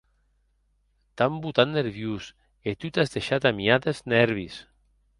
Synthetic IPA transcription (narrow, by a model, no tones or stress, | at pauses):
t̪ambut̪anneɾβjus | et̪ut̪azðeʃat̪amiaðeznɛɾβis